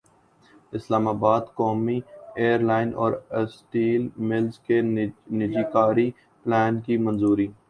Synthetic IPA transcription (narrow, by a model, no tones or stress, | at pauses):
ɪslaːmaːbaːd̪kɔːmieːəɾlaːɪnʔɔ̰ːɾəsʈiːlmɪlzkenɪd͡ʒiːkaːɾi | plɛːnkimɐnzuːɾiː